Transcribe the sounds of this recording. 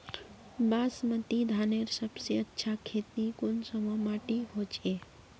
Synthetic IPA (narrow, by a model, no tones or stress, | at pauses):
basmət̪id̪ʱaneɾsəbseətːʃʰakʰet̪nikonsəməmaʈiɦot͡ʃe